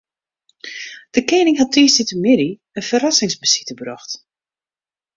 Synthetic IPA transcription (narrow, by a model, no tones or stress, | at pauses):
d̥əkeːnɪŋɦatʰiːsitəmɪdi | ənfərasɪŋsbəsi̥təbrɔxt